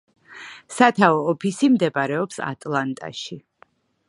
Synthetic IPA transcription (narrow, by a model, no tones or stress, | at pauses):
sat̪ʰaɔːpʰisimd̪ɛbɾɛɔpsa̰t̪ʼlˠant̪ʼa̰ʃi